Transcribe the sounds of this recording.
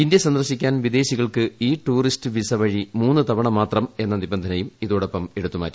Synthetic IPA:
ind̪jɐsɐnd̪ɐrɕikʲːaːnʋid̪e̞ːɕiɣɐɭkɨiːʈuːristɨʋisɐʋɐɻimuːnːɨt̪ɐʋɐɳɐmaːt̪rɐme̞nːɐnibɐnd̪ʱɐnɐjumiðoːɽo̞pːɐme̞ɽut̪ːuma̰ːɾu

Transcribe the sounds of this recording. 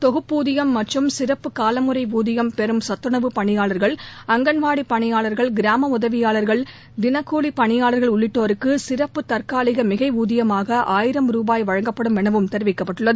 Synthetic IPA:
t̪ɔɣɯpːuːðɪjɐmːɐʈrɯmsɪrɐpːɯkaːlɐmɯrɐɪʋuːðɪjɐmpɛɾɯmsɐt̪ːɾɯɳɐʋɯpɐɳɪjaːɭɐɾɣɐɭɐŋɡɐɳʋaːɽipːɐɳɪjaːɭɐɾɣɐɭɡɪɾaːmɐʊðɐʋɪjaːɭɐɾɣɐɭ | d̪ɪnɐkːuːɭipːɐɳɪjaːɭɐɾɣɐɭʊɭːɪʈːoːɾɯkːɯsɪrɐpːɯt̪ɐɾkaːlɪɣɐmɪɣɐɪuːðɪjɐmaːɣɐʔaːjɪɾɐmɾuːbaːjʋɐɻɐŋɡɐpːɐɽɯmʋɛɳɐʋɯmt̪ɛɾɪʋɪkːɐpːɐʈːɯɭːɐðɯ

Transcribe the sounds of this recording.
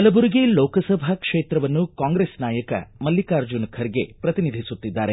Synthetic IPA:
ɐlɐbuɾiɡeloːkɐsɐbʱɐkʂeːt̪ɾɐʋɐnːukaːŋɡɾesnaːjɐkɐ̰mɐlːikaːɾd͡ʒunkʰɐɾiɡḛpɾɐt̪inid̪ʱisut̪ːid̪ːa̰ːɾe

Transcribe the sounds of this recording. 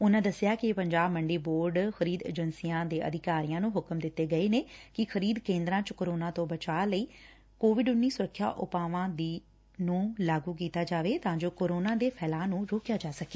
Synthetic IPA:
ʊnãːd̪əsːɪjaːkɪpəɲd͡ʒaːbməɳɖeːboːɾɖxʰəɾiːd̪ḛːd͡ʒənsijãːd̪eːʔə̰d̪ʱɪkaːɾijãːnũːɦʊkəmd̪ɪt̪ːeːɡəeːneːkɪxʰəɾiːd̪kẽːnd̪ɾãːt͡ʃkoːɾoːnãːt̪õːbət͡ʃaːləiː | koːʋɪɖʊnːiːsʊɾəkʰːja̰ːʔʊpaːʋãːd̪iː | nũːlaːɡuːk̬iːt̪aːd͡ʒaːʋeːt̪ãːd͡ʒoːkoːɾoːnãːd̪eːpʰɛːlãːnũːɾoːkjaːd͡ʒaːsəkeː

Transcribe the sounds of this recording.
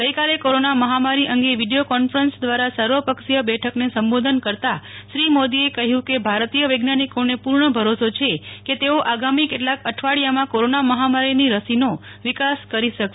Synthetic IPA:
ɡəikalekoɾonaməɦamaɾiʔəŋɡeʋiɖijokɔnfɾənsd̪ʋaɾasəɾʋəpəkʃijəbɛʈʰəknesəmbod̪ʱənkəɾt̪aʃɾimod̪iekəɦjũkebʱaɾt̪ijəʋəɡnanikonepuɾɳəbʱəɾosot͡ʃʰeket̪eoʔaɡamikeʈlakəʈʰʋaɽijamãkoɾonaməɦamaɾiniɾəsino | ʋikaskəɾiʃəkʃe

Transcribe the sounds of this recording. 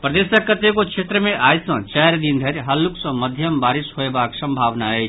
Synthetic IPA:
pɾəd̪esəkːət̪ekokt͡ʃʰet̪ɾəmẽʔaːjsə̃t͡ʃɛɾd̪ind̪ʱeɾɦɐlːuksə̃məd̪ʱjəmbaɾisɦoebaksə̃mbʱaːʋnaɛt͡ʃʰ

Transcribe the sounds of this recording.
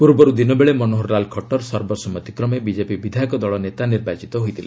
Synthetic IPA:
puɾbɔɾud̪inɔbeɭemɔnoɦɔɾːalkʰɔʈɔɾsɔɾbɔsɔmɔt̪i̥kɾɔmebid͡ʒepibid̪ʱajɔkɔd̪ɔɭɔnet̪aniɾbat͡ʃit̪ɔɦojt̪ʰile

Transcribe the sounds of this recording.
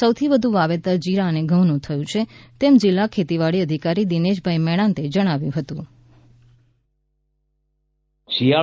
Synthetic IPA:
səwt̪ʰiʋəd̪ʱũʋaʋet̪əɾd͡ʒiɾaəneɡʱəʋnũt̪ʰəjũt͡ʃʰet̪emd͡ʒɪlːakʰet̪iʋaɽiəd̪ʱikaɾid̪ineʃbʱaimɛɽ̃ãnt̪ed͡ʒəɽ̃aʋjṵ̃ɦət̪ũ | t͡ʃia

